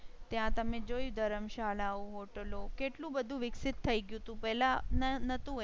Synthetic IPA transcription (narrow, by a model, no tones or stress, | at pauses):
t̪jãt̪əmẽd͡ʑoːid̪ʱəɾəmʃaːlaoɦoʈəlokeʈlũbəd̪ʱũʋɪksɪt̪ʰːəiɡjũt̪ũpɛɦlãnənət̪ũ